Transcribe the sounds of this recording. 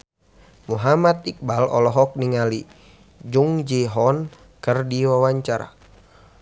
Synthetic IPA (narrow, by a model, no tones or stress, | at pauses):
muɦamat̪̚ik̚balɔ̰lɔɦɔk̚niŋali | d͡ʒuŋd͡ʒiɦɔn | kərdiwawaɲt͡ʃaɾa̰